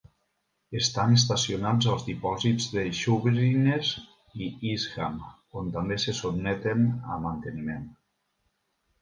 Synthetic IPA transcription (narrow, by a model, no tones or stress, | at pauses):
est̪anes̬t̪asionad͡zəlˠzðipɔzid͡zðeʃuβɾinez | iizɣam | ont̪ambesesubnɛt̪enə̰mant̪ənimen